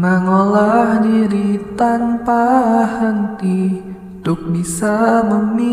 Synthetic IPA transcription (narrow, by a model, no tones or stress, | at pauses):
ŋaŋolahdiɾit̪anpahənt̪i | t̪ʊk̚bisaməmi